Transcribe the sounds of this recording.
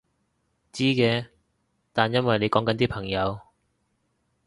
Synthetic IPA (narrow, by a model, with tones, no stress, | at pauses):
t͡siː˥kɛː˧ | t̪aː˨njɐ˥nwɐ˨jle˨˧jkɔː˨˥ŋkɐ˨˥nt̪iː˥pʰɐ˨˩ŋjɐ˨˧w